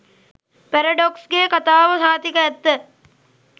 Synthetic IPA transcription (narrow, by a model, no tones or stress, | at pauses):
pæɾɐɖoksɡekat̪aːʋəsaːt̪ikəɛt̪ːə